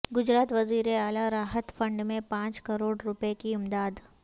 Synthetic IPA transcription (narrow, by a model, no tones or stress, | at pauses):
ɡʊd͡ʒɾaːt̪ʋɐziːɾeaːlaɾaːɦət̪fə̃ɳɖmẽpãːt͡ʃkɐɾoːɽɾʊpekiʊmd̪aːd̪